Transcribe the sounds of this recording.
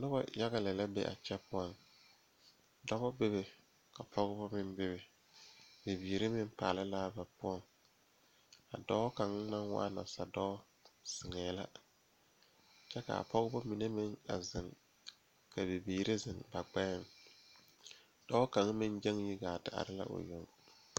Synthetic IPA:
nʊ˦ba̰˨ja˦ɣa˦lɛ˨la˦bɛ̰˦ʔa̰˨t͡ʃɛ˦pʊ˦ɔ˨ŋ | dɔ˦bɔ˦be˦be˨ | ka˨pʰɔ˦ɣɪ˦bɔ˦mɪ˦nbɪ˦be˨ | be˨biː˨ɾɪ˦mɪ˦m˦pa̰ː˨lɪ˦laː˦ba˨pʊ˦ɔ˨ŋ | a̰˨dɔ˦ka˨ŋ˦ma˦ŋwa̰˦ʔa˦na̰˨sa˨dɔ˦ | sɪ˨ŋɛː˨˦la̰˦ | t͡ʃɛ˦ka̰˨a̰˨pɔ˦ɣɪ˦bʊ˦mi˨ne˦mɪ˦ŋa̰˨zɪ˨ŋ | ka˨be˨biː˨ɾɪ˦zɪ˨ŋba˨ɡ͡bɛ˦ɪ˦˨ŋ | d̥ɔ˦ka˨ŋ˦mɪ˦nd͡ʒɛ˦ŋji˦ɡaː˨tɪ˨a̰˨ɾɪ˦la̰˦ʔo̰˨jɔ˦˨ŋ

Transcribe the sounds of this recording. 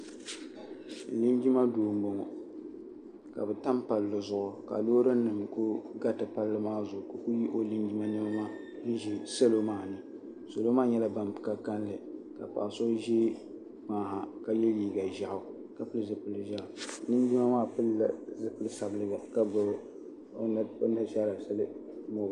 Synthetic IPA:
li˦nd͡ʒi˦ma˦doː˨m˦bo˨ŋɔ˨ | ka̰˨bɨ˨ta˦mpa˨lːɨ˨zʊ˨ʔʊ˨ka̰˨loː˦ɾɨ˦nɨ˨mku˦ɡa˦tɨ˨pa˦lːɨ˦maː˦zʊ˨ko˦ku˦ji˦ʔo˦li˦nd͡ʒi˦ma˦nɨ˦bmaː˦ | n̩˦ʒi˨sa˦lo˦maː˦˨nɨ˨ | so˨lo˦maː˦ɲɛ˦la˦ba˨mpka˦ka˦nlɨ˨ka̰˨pa̰˨ʔa˨so˦ʒe˦ | k͡paː˨ɦa˨ka˦jɛ˦jiː˨ɡa˨ʒa˦ʔa˨ | ka˦pɨ˦lɨ˦zɨ˨pɨ˨lɨ˨ʒa˦ʔlɨ˦n˦ɡi˦ma˦maː˦pɨ˦lːa̰˨zɨ˨pɨ˦lɨ˦sa˨bɨ˨lɨ˨ɡa˨ka˦b | o˦nda˦ʃa˦la˨sɨ˦lɨ˦ | mo˨˦˨

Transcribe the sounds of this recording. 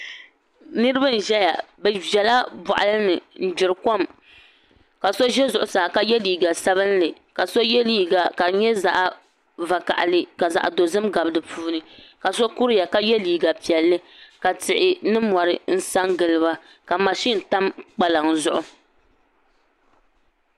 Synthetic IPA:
nɨ˦ɾɨ˦ba˦n̩˨ʒɛ˦ja̰˨bɛ˨vɛ˨la˦bɔ̰˨ʔa̰˨lɨ˦nɨ˨n̩˦˨d͡ʒɪ˨ɾɨ˨ko˦m | ka˨so˦ʒɛ˦zʊ˨ʔʊ˨sa˨ka˦jɛ˦liː˨ɡa˨sa˦βɨ˦n˦lɨ˨ | ka˨so˦jɛ˦liː˦ɡa˨ka˨ɲɛ˦za˨ʔ | va˨ka̰˨ʔa˨lɨ˦ka˨za̰˨ʔdo˨zɨ˦mɡa˨bɨ˦dɨ˨pʰuː˦nɨ˨ka˨so˦ku˦ɾja˨ka˦jɛ˦liː˨ɡa˨pi˨ɛ˨lːɨ˦ka˨tɪ˨ʔɪ˨nɨ˦mɔ˨ɾɨ˨n̩˦sa˦ŋɡɨ˨lɨ˨ba˦ | ka˨ma˨ʃi˦n˨ta˦mk͡pa˨la˨ŋzʊ˦ʔʊ˨

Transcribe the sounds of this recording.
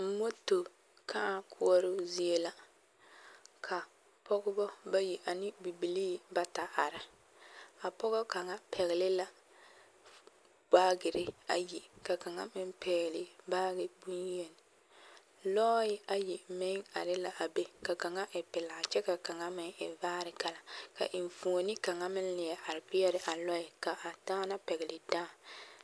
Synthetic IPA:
m̩˦mo˦to˨ | kʰa˦a˨kʰʊ˦ɔ˦ɾʊ˦zi˦e˦la˦ | kʰa˨ | pɔ˦ɡʊ˦bɔ˦ba˦ji˨ʔa˨nɪ˦bi˨bi˨liː˦˨ba˦ta˨ʔa˨ɾa˨ | a˨pɔ˦ɣɔ˦ka˨ŋa˦pʰɛ˨ɣɪ˨lɪ˦la˨ | b̥aː˦ɡɪ˨ɾɪ˦a˨ji˨ka˨ka˨ŋa̰˦mɪ˦mpɛ˨ɣɪ˨lɪ˦baː˦ɡɪ˨bu˦nje˨n˨ | lɔː˦jɪ˦a˨jɛ˨mɪ˦ŋa̰˨ɾɪ˦la˨ʔa˨be˦ka˨ka˨ŋa˦ʔɪ˨pɪ˨la˨t͡ʃɛ˦ka˨ka˨ŋa˦mɪ˦ŋɪ̰˨vaː˦ɾɪ˨ka˨la˨ka̰˨ʔɪ˨ɱ˨fu˨o˨nɪ˦ka˨ŋa˦mɪ˦nlɪ˨ɛ˨ʔa˨ɾɪ˨pɪ˦ɛ˦ɾɪ˨ʔa˨lɔ˦ɪ˨ka˨ʔa˨daː˦na˦pɛ˨ɡɛ˨lɪ˨daː˦˨

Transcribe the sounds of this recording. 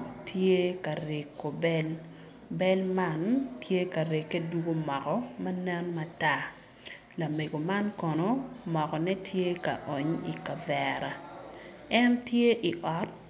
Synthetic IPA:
tʰje˦ka˨ɾe˨kːo˨bɛ˦l | bɛ˦lma˦ntʰje˦ka˨ɾe˨kːe˦du˦ɡo˦mɔ˨kɔ˦mɐ˦nɛ˦nma˨ta˦ | la˨me˨ɡo˨ma˦nkɔ˨no˦mɔ˨kɔ˨nɛ˦tʰje˦ka̰˨ʔo˨ɲḭ˨ka˨vɛ˨ɾa˨ | ɛ˦ntje˦ʔi˨ʔɔ˨˦t̚

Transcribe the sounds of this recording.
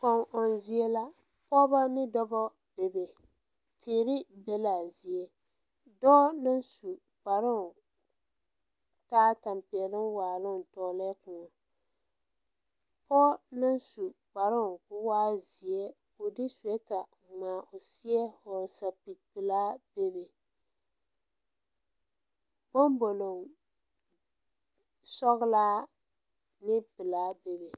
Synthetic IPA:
kɔ˨ŋʔɔ˨n˨zi˦ɛ˦la˦ | pɔ˦ba˦nɪ˦dɔ˦bɔ˦ | b̥e˨be˨ | tʰeː˨ɾɪ˦bɛ˦la˨zi˨ɛ˨ | dɔ˦nɨ˦n˦su˨ | k͡pa˨ɾɪ˦ŋ˨ | taː˦ta˨mpi˨ɛ˨lɨ˦mwaː˨lɨ˦n˨tɔ˨˦lɛ˦kʊ˨ŋɔ˨ | pɔ˦nɨ˦n˦su˨k͡pa˨ɾʊ˦ŋkʊ˦waː˦zi˨ɛ˦ | o˨dɪ˦su˨ɛ˦ta˨ | ŋ͡maː˨ʔo˨si˦ɛ˦hʊ˨ɾsa˨pi˨k̚pɨ˨laː˦b̥e˦be˨ | bo˦m˦bo˨lo˨ŋ | sɔ˦ɣɪ˦laː˦ | nɪ˦pɨ˨laː˦be˦be˨

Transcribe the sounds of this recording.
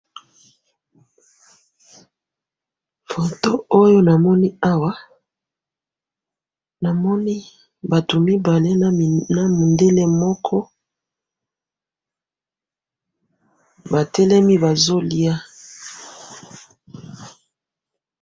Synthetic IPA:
fo˨to˦o˦jo˦na˨mɔ˦ni˦a˦wa˦ | na˨mɔ˦ni˦ | ba˨to˨mi˦ba˨le˦n˨na˨mu˨nde˦le˦mɔ˦kʰɔ˦ | ba˨tɛ˦lɛ˦mi˦ba˨zo˦li˦a˦

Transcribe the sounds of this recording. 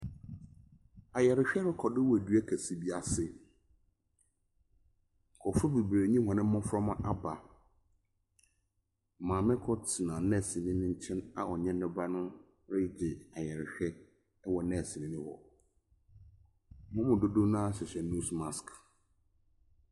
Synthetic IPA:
a˨jɛ˨ɾɪ˨ɕᶣɛ˦ɾɪ˦kʰɔ˨dɪ˦wɔ˨dɥɛ˦kʰæ˨si˦bi˦a˨sɪ˦˨ | kʰɔ˨fʊ˦bi˨bɾe˨ɲĩ˦hɔ̃˨nɪ̃˦ʊ̃˦fɾɔ˦mã˦ʔa˦ba˨ | mãː˨mɪ̃˦kʰɔ˦tʰi˨nã˨nɛ̃˦˨si˨nɪ̃˦nɪ̃˦ɲ̩˦t͡ɕʰɛ̃˦na̰˨ʔɔ˨ɲɛ̃˦n˦ʊ̃˦ba˦nʊ̃˦ | ɾɪ˦d͡ʑɪ˨a˨jɛ˨ɾɪ˨ɕᶣɛ˦ | wɔ˨nɛ̃˦˨si˨nɪ̃˦nɪ̃˦hɔ̰˨ | mʊ̃˦mʊ̃˨do˦do˦nã˦˨ɕɪ˨ɕɛ˨nũ˦sma˨sk

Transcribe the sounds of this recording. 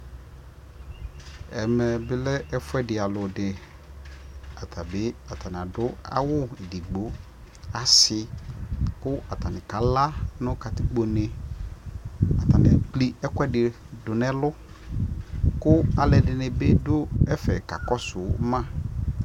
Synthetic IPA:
ɛ˨mɛ˨bɪ˦lɛ˦ʔɛ˦fʊ˦ɛ˦dɪ˨a˨lʊ˨dɪ˨ | a˨tʰa˨bɪ˦a˨ta˨nɪ˨a˨dʊ˦a̰˦wʊ˦e˨di˨ɡ͡bo˨˦ | a˨sɪ˦ | kʊ˦a˨ta˨nɪ˨ka˨˦la˦nʊ̃˦ka˨tɪ˦ɡ͡bo˨ne˨ | a˨ta˨nɪ˨k͡pli˦ɛ˦kʷɛ˦dɪ˨ | dʊ˨nɛ̃˦lʊ˦ | kʊ˦a˨lɛ˨dɪ˨nɛ˨be˦dʊ˦ɛ˦fɛ̰˨ka̰˨kɔ˦sʊ˨˦mã˦

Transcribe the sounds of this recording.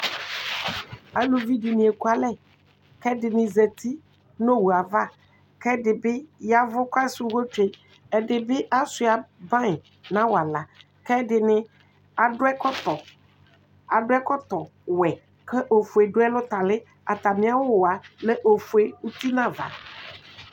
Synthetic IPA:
a˨lu˨vi˦di˨nĩ˨e˨ku˦a˨lɛ˦ | kɛ˦dɪ˨nɪ̃˨ze˨t̪ʰi˦ | nõ˦wu˨a˨va˦ | kɛ˦dɪ˨bɪ˦ja˦vʊ˦ka˦su˦ɣo˦t͡ʃe˦ | ɛ˨ɖɪ˨bɪ˦ʔa˦sʊ˨a˨bã˦ɪ˨ | nã˦wa˨la˨ | kɛ˦dɪ˨nɪ˦ | a˨ɖʊ˦ɛ˦kɔ˦t̪ɔ˨ | a˨dʊ˦ɛ˦kɔ˦t̪ɔ˨ | wɛ˨ | kɛ˦ʔo˨fʊ˨e˨ɖʊ˦ɛ˦lʊ˦t̪a˨lɪ˦ | a˨t̪a˨mɪ̃˦a˦wʊ˨wa˨lɛ˦ʔo˨fu˨e˦u˦t̪u˦nã˦va̰˨

